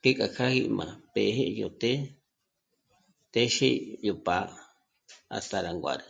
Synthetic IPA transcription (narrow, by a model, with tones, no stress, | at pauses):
ke˦kʼa˨kʰa˦hi˧ʔmã̰˨pe˨ɦe˦ʔjo˨t̪e˦ | t̪e˦ʃi˦jo˨pa˧˦ | a̰˨st̪a˧ɾa˨ŋɡʷa̰˨ɾa˨